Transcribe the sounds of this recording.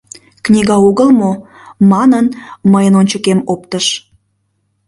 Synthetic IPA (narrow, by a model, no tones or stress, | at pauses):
knʲiɣɑuɣəlmo | mɑnənməjənonʲt͡ɕəkemop̚t̪əʃ